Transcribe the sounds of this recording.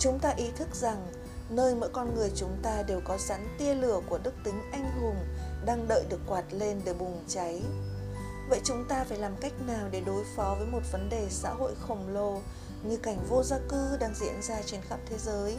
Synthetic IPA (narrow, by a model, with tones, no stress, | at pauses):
t͡ɕʊ˨˦ŋ͡mt̪aː˧ʔi˨˦t̪ʰɨ˦˥k̚za˨˩ŋ | nəː˧jmə̰ː˧˥jkɔ˧nŋɨ˨˩əjt͡ɕʊ˨˦ŋ͡mt̪aː˧ɗe˨˩wkɔ˨˦sa̰˨˦˥ŋt̪i˧əlɨ˧˩əku˧˩əɗɨ˦˥k̚t̪ï˨˦ŋ̟ʔa˧jŋ̟ɦʊ˨˩ŋ͡mɗaː˧ŋɗə̰ː˧˨jɗɨ˨˩əkːwaː˨˩t̚le˧nɗe˧˩ɓʊ˨˩ŋ͡mt͡ɕa˨˦j | və̰˧˨jt͡ɕʊ˨˦ŋ͡mt̪aː˧faː˧˩jlaː˨˩mka˦˥jk̟̚naː˨˩wɗe˧˩ɗo˨˦jfɔ˨˦vəː˨˦jmo˨˩t̚və˨˦nɗe˨˩sa̰ː˧˥ɦo̰˧˨jxə˨˩wŋ͡mlo˧ | ɲɨ˧ka˧˩jŋ̟vo˧zaː˧kɨ˧ɗaː˧ŋzḭ˧˥ənzaː˧t͡ɕe˧nxaː˦˥p̚t̪ʰe˨˦zəː˨˦j